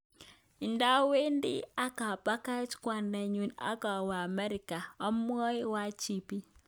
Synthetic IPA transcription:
i˨nda˦we˦ndḭ˦a˦ka˨pa˦ka˦t͡ʃkwa˨nda˨ɲu˨na̰˦ka˨wa˨mɛ˦ɾi˨ka˨a˦m˦ɔ˦jwa˦t͡ʃi˨pi˦

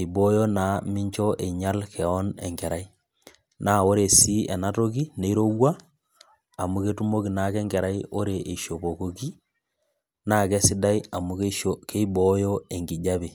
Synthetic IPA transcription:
e˨ibo˦jɔ˦na˨˦mi˦ɲt͡ʃɔ˦ʔe˨ɲa˦lkʰɛ˨ɔ˦nɛ̰˨ŋɡɛ˨ɾa˨i˦ | na˦o˦ɾe˨si˦ɛ̰˨na˦to˦k̬i˦ne˦i˦ɾo˦wwaː˦˨ | mu˦ketu˦mo˦ki˨na˨kɛ˦ŋɡɛ˨ɾa˦io˦ɾe˨ʔe˨ʃo˨bo˨ko˨ki˦ | na˦kɛ˦si˦da˦ia˨mu˦ke˦i˦bɔjɔ˦e˨ŋɡi˨ɟa˦be˨

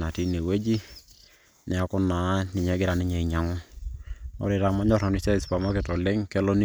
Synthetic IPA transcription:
na˨ti˦ne˨we˦d͡ʒi˦ | nɛ˨a˦kʊ˦na˨˦nɪ˨ɲɛ˦ɡɪ˦ɾa˨nɪ˦ɲɛ˨i˨ɲa˨ŋʊ˦ | nɔ̰˨ɾe˨ɾa˨ma˦ɲɔ˦ɾɔ˨ni˦se˦˨spa˨ma˦kɛ˨tɔ˨le˦ŋkɛ˦lo˦ni˦

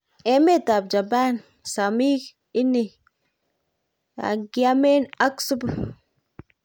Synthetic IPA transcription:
e˨˦me˦t̪a˨bd͡ʒa˨ba˦n | sa˨mi˦k | i˦nːi˨ | a̰˨ɡi˨a˦me˦na˦ksu˦b

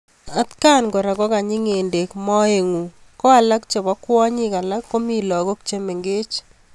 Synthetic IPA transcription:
a˦tka˦nkɔ˨ɾa˨kɔ˦ka˨ɲɪ˦ŋe˨nde˨kmɔ˦e˨ŋu˨kɔ˦a˨la˦kt͡ʃe˨βɔ˦kwɔ˦ɲɪ˦ka˨la˦kːo˦mi˦˨lɔ˨ko˦k̚t͡ʃe˦me˨ŋɡe˦t͡ʃ

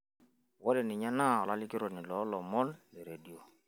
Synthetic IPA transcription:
wɔ˦dɪ˨nɪ˨ɲa˦na˦˨ɔ˨la˦lɪ˦kɪ˦ɾɔ˨nɪ˨lɔ˨˦lɔ˨mɔ˦nlɪ˨ɾe˨di˦o˨

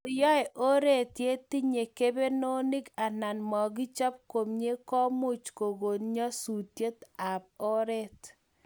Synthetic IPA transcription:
jɔ˦ɛ˨ʔo˦ɾe˦tje˦ti˦ɲe˨ke˦be˦no˦ni˦ɡa˨na˨nmɔ˨ɡi˦t͡ʃa˦p̚ko˨mɲe˦kɔ˦mʊ˦t͡ʃko˨ɡo˨nɲɔ˦su˨tje˦ta˨p̚o˦ɾe˦t

